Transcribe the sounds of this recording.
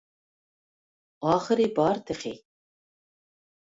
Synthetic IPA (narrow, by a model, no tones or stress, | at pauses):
ɑːχəɾibɑːɾt̪ʰɨχḭ